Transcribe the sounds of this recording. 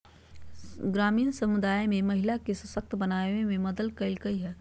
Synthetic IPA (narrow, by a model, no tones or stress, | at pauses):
ɡɾaːmiːnsɐmʊd̪aːemẽmɐɦɪlakesɐsək̚t̪bɐnaːẽmẽmɐd̪əlkɐɪlkəiɦɛː